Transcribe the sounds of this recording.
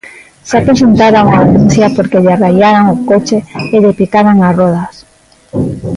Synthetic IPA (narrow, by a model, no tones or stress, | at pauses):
sakeʃunt̪aɾauŋaðenun̟θjapoɾkeʎarajaɾaŋokot͡ʃeeðepikaɾaŋasrɔð̞as